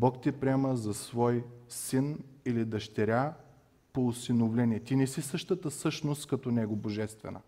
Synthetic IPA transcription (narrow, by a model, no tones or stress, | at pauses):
bɔkt̪ʲipɾʲiɛməzɐsvɔjsinilid̪ɐʃt̪ɛɾʲa | poʊsinovlɛniɛt̪inɛsisɤʃt̪ət̪əsɤʃnost̪kɐt̪ɔnɛɡoboʒɛst̪vɛ̰nə̰